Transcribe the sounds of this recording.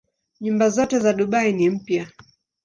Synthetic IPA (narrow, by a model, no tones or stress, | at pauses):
ɲumbazɔtɛzaɗuɓainim̩pja